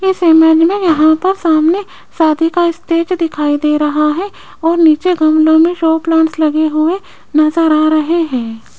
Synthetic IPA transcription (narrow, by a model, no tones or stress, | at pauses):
ɪsemɛːd͡ʒmẽjɐɦãpɐɾsaːmne | saːd̪ʱikaɪst̪eːd͡ʒd̪ɪkʰaːid̪eːɾɐɦaɦɛ | ɔːɾniːt͡ʃeɡʱɐmlõmẽʃoːplãːɳslɐɡeɦʊe | nɐzəɾaːɾɐɦeɦɛ̃ː